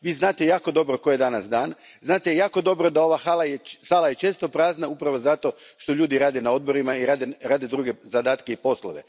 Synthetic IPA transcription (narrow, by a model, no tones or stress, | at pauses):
ʋiːznaːt̪ejaːko̞d̪o̞bɾokoje̞d̪anasd̪aːn | znaːt̪ejaːko̞d̪o̞bɾo̞d̪ao̞ʋasaːlˠajesaːlˠajet͡ʃeːst̪o̞pɾaːznaupɾaʋo̞zat̪o̞ʃt̪o̞ʎuːd̪iɾaːd̪e̞nao̞d̪bo̞ɾimaiɾaːd̪eɾaːd̪e̞d̪ɾuːɡe̞zad̪aːt̪ke̞ipo̞slˠo̰ʋe̞